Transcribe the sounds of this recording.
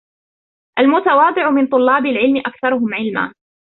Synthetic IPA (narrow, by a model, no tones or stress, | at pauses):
ʔalmʊt̪ɑwɑːd̪ˤɨʕʊmɪnt̪ˤʊlːɑːbalʕɪlmɪʔakθɑɾˤʊɦʊmʕɪlma̰ː